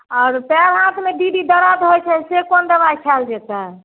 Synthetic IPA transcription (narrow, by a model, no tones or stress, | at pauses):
ɔːɾpɛɾɦãt̪ʰmeɖiɖid̪əɾad̪ɦojt͡ʃʰɛsekond̪əbajkʰɛld͡ʒɛt̪ɛ